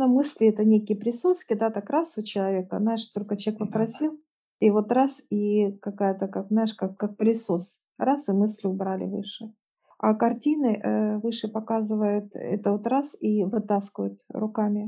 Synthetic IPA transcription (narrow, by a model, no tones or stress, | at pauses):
nomɨsʲlʲɪɛt̪ənʲekʲɪjəpɾʲɪsut̪skʲɪd̪at̪akɾasʊt͡ɕɪlˠɐvʲekə̰znajɪʂt̪olʲkət͡ɕʲekpəpɾɐsʲilˠ | ivo̞t̪ɾasikɐkajət̪əkakznajɪʂkakkːak̚plʲɪsus | ɾasɨmɨsʲlʲʊbɾalʲɪ̰vɨ̰ʂɨ | a̰kɐrtʲinɨʔvɨʂɨpɐkazɨvəjʊt̪ɛ̰t̪əvot̪ɾasivɨt̪askʲɪvəjʊt̪ɾʊkamʲɪ